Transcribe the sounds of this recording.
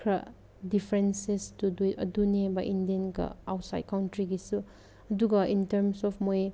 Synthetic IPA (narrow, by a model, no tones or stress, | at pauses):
kʰɾɐ̰ | dipʰɾensestuduiɐdunebɐʔindienɡɐ̰a̰wtsa̰jd̚kawntɾiɡisu | ɐduɡɐʔintɐɾmsɔpʰmoj